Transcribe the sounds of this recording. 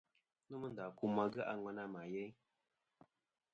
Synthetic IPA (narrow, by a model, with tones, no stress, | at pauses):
nə˦mə˦n̩˨da˨ku˦ma˨ɡɨ˦ʔa˨˦ŋwa˨˦na˦ma˨jɛ˦